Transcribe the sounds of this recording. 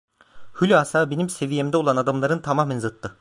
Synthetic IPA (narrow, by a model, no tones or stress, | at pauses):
hylʲasabe̞nimse̞vijemd̪ɛo̞lˠanad̪amlˠaɾɯnt̪ʰamaːmɛænzɯt̪ʰːɯ